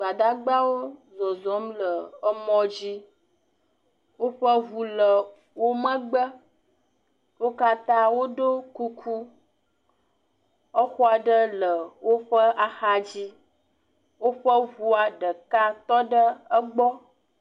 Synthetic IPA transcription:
ɡ͡ba˨d̪a˦ɡ͡ba˦wo˦zɔ˨zɔ˨˦mlə˨ə˦mɔ̃˦d͡ʑi˦ | wo˦ɸə˦vu˨lə˨ | wo˦mə̃˦ɡ͡bə˦ | wo˦ka˦t̪ã˦wo˦ɖo˦ku˦kʰu˦ | ə˦xu˦a˨ɖə˦lə˨wo˦ɸə˦a˨xa˦d͡ʑi˦ | wo˦ɸə˦vu˦a˨ɖə˨ka˦t̪ɔ˦ɖə˦ə˦ɡ͡bɔ˦

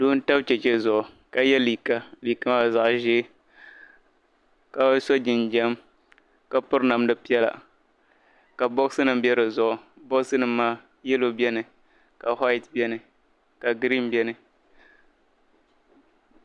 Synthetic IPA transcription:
duː˦n̩˦ta˦bt͡ʃɛ˨t͡ʃɛ˦zʊ˨ʔʊ˨ | ka˨jɛ˦li˨ka˦li˨ka˦ma˦˨za˨ʔʒe˦ | ka˨˦so˦d͡ʒɪ˨nd͡ʒɛ˦m | ka˦pʊ˦ɾna˨mdɨ˦pi˦ɛ˦la̰˨ | ka˨bo˦ɡsɨ˦nɨ˨mbjɛ˦ɾɨ˨zʊ˨ʔʊ˨ | bo˦ɡsɨ˦nɨ˦maː˦ | jɛ˦lo˦bɛ˦nɨ˨ | ka˨ha˦ɪ˨tbɛ˦nɨ˨ | ka˨ɡɾi˦nbɛ˦nɨ˨

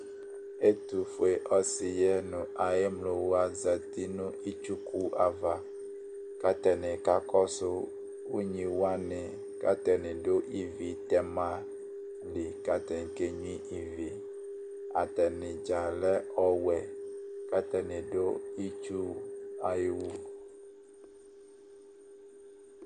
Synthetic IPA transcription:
e˦t̪u˨fo˨e˨ʔɔ˦si˨jɛ˦nũ˨a˨je˦mlo˨wo˦a˨zɛ˨t̪i˦nũ˦i˦t͡ʃu˦ku˦a˨va˨ | ka˦t̪ɛ˨nẽ˨ka˦kɔ˦so˦ | wu˦ɲĩ˨wo˦a˦nɛ̃˨ | ka̰˦t̪ɛ˨nẽ˨ɖo˦ʔi˦vi˨t̪ɛ˦mã˦ | li˨ka˦t̪ɛ˨ŋ˨˦ke˦ɲũ˦ĩ˦ʔi˨vi˨ | a̰˨t̪ɛ˨nɛ̃˨d͡ʒa˨lɛ˦ɔ˦wɛ˨ka˦t̪ɛ˨nɛ̃˨ɖo˦i˦t͡ʃu˦a˨ji˦wu˦

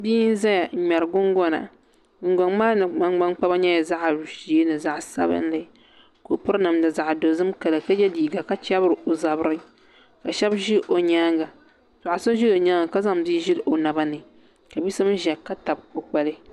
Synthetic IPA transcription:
bi˦n˦za˦ja˨ɲ̩˦ɲɛ˨ɾɡʊ˦ŋɡɔ˦na̰˨ | ɡʊ˨ŋ˦ɡa˨ŋmaː˦nɨ˨ma˦ŋɡ͡ba˦ŋ˦k͡pa˦ba˦ɲɛ˦ja˨za˦ʔa˨ɾu˨ʃi˨e˦nɨ˨za˨ʔsa̰˦bɨ̰˦n˦lɨ˨ | ko˨pʊ˦ɾna˨mdɨ˨za˨ʔdo˨zɨ˦mka˨la˨ka˦d͡ʒɛ˦diː˨ɡa˨ka˦t͡ʃa˦bɨ˦ɾɨ˨o˨za˨bɾɨ˦ | ka˨ʃɛ˦bʒi˦ʔo˨ɲaː˦ŋɡa˨ | zʊ˨a˨sɨ˦ʒi˦do˨ɲa˦ŋa˨ka˦za˦mbiː˦ʒɪ˦lʔo˨na˨ba˦nɨ˨ | ka˨bi˦sɨ˦m˦ʒɛ˨ka˦ta˨b̚o˨k͡pa˨lɨ˦

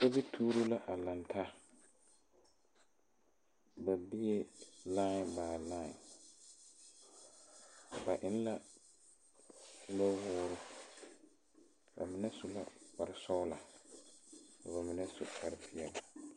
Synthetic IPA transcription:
sa˦bi˦tʰuː˦ɾʊ˦la˦ʔa˨la˨ntʰa˦ | ba˨bi˦jɛ˦laː˦˨baː˨laː˦ɪ˨ | ba˨ʔɪ˨˦n˦la˦ | lo˦wʊː˦ɾʊ˦ | ba̰˨mɪ˨nɛ˦sʊ˨la˦k͡pa˨ɾɪ˨sɔ˦ʊ˦la˨ | ka˨ba˨mɪ˨nɛ˦sʊ˨ka˨ɾɪ˦fɪ˨˦ɛ˨la˨

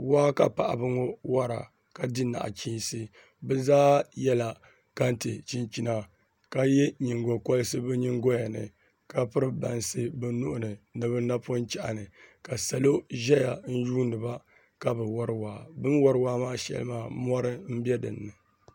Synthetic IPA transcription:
waː˦ka̰˨pa˨ʔa̰˨bɨ˦ŋo˦wa˦ɾa̰˨ | ka˨di˦na̰˨ʔa̰˨t͡ʃiː˦sɨ˦ | bɨ˦zaː˦jɛ˦la˨ | ka˦n˦tɨ˨t͡ʃi˦nt͡ʃi˦na˨ | ka˦jɛ˦ɲi˨ŋɡo˨kɔ˦lɨ˦sɨ˦bɨ˦ɲi˦ŋɡo˦ja˨nɨ̰˨ | ka˦pɨ˦ɾɨ˦ba˨nsɨ˦bɨ˦nʊ˦ʔʊ˦nɨ˨nɨ˨bɨ˦na˦pʊ˦nt͡ʃɛ˨ʔa˨nɨ˨ka˨sa˨lo˦ʒɛ˦ja˨n̩˦juː˦nɨ˨ba˦ | ka˦bɨ˨wɔ˦ɾɨ˦waː˨bɨ˦nwɔ˦ɾɨ˦waː˦maː˦ʃɛ̰˦˨lɨ̰˦maː˦˨mɔ˦ɾɨ˦m̩˦bjɛ˦dɨ̰˨nːɨ˨

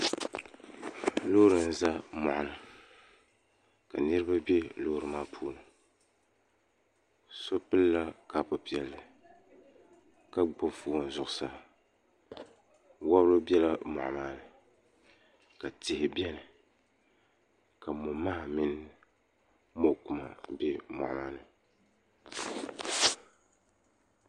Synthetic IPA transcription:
lo˦ɾɨ˨n̩˨za˦mɔ˨ʔa˨nɨ˨ | ka̰˨nɨ˦ɾɨ˦ba˦bɛ˦lo˦ɾɨ˨maː˦pʰuː˦nɨ˨ | so˦pɨ˦lːa˦ka˦pʊ˦pi˨ɛ˨lːɨ˨ | ka˦ɡ͡bo˦fuː˦˨n˨zʊ˨ʔʊ˨sa˦ | wa˦bɾo˦bɛ˦la˦mɔ̰˨ʔmaː˦nɨ˨ | ka˨tɪ˨hɪ˨bjɛ˦nɨ˨ | ka˨mo˨maː˦˨mɪ˦n˦ | mo˨ku˨ma̰˨bɛ˦mɔ̰˨ʔmaː˦nɨ˨

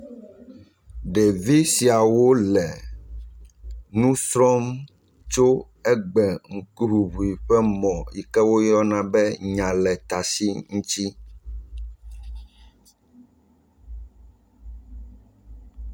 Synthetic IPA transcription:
ɖe˨vi˦si˨a˨wo˦lɛ˨ | nũ˦sɾɔ˦m | t͡ʃo˦ | ɛ˦ɡ͡bɛ˨ŋ̩˨ku˦ɦu˨βu˨i˨ɸɛ˦mɔ̃˨ji˨kɛ˦wo˦jɔ˦nã˨bɛ˦ɲã˨lɛ˨t̪a˨si˦ŋũ˦t͡ʃi˦

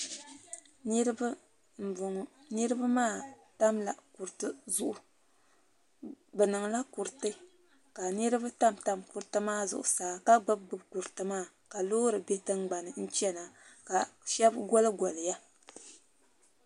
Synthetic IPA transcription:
ni˦ɾba˦ | m̩˨ʊ˨ŋ˨ | nɨ˦ɾɨ˦ba˦maː˦ | ta˦mla̰˨ku˨ɾtɨ˦zʊ˨ʔʊ˨ | bɛ˨nɨ˨ŋ˨la˦ku˨ɾtɨ˦ | ka˨nɨ˦ɾɨ˦ba˦ta˦mta˦mku˨ɾtɨ˦maː˦zʊ̰˨ʔʊ̰˨saː˨ka˦ɡ͡bɨ˦b̚ɡ͡bɨ˦bku˨ɾɨ˨tɨ˦maː˦˨ | ka˨loː˦ɾɨ˨be˦tɨ˦ŋ˦ɡ͡ba˨nɨ˨n̩˦t͡ʃɛ˦na˨ka˨ʃɛ˦bɡɔ˦lɨ˦ɡɔ˨lɨ˨ja˦

